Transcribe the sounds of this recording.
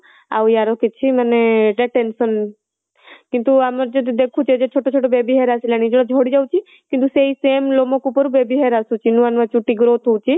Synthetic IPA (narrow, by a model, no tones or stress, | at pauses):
a̰wjaɾɔkit͡ʃʰiməneɖeʈensɔn | kint̪uaməɾd͡ʒod̪id̪ekʰũt͡ʃʰɛd͡ʒet͡ʃʰoʈot͡ʃʰoʈobebiɦeɾasilañid͡ʒɔɽ̃ɔd͡ʒʱoɽid͡ʒawt͡ʃʰi | kint̪useisemlomokupəɾubebiɦeɾasut͡ʃʰinũanʋat͡ʃuʈiɡɾot̪ʰowt͡ʃʰi